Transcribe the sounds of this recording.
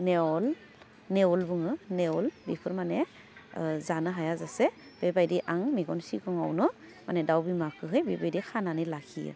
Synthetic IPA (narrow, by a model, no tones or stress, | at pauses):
neɔl | neɔlbɯŋɯneɔlbipʰɯɾmane | zanɯɦajazase | b̥ebajdiʔaŋmiɡɔnsikʰɔŋa̰wnɯ | manedawbimakʰɯɦɯjbebajdikʰananilakʰḭjɯ̰